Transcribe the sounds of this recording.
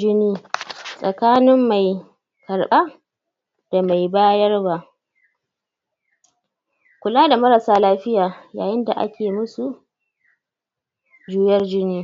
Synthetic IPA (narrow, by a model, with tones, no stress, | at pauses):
d͡ʒɪ˦niː˦sʼɐ˨kaː˦nɪ˦mːa˨j | kɐ˨ɽɓa˦ | d̥a˨ma˨jbaː˦jɐ˦rba˦ʔ | kʷʊ˨laː˦da˨mɐ˦ɾɐ˨saː˦laː˦ɸɪ˦jaː˨jaː˨jɪ˦nda˨ʔa̰˦kʲʰeː˨mʊ˦su˨ | d͡ʒuː˦jɐ˦rd͡ʒɪ˦niː˦